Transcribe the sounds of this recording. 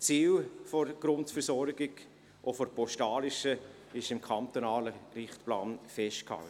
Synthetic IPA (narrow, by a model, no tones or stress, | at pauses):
t͡siːlfoɾɡ̥ɾʊntfəɾsɔɾɡɪɡ | ʔofɔɾpɔʃtɑːlɪʃə | ɪʃɪmkʰɑnt̪onɑːləɾɪχtpla̰ːnfɛʃtkhɑ̰lt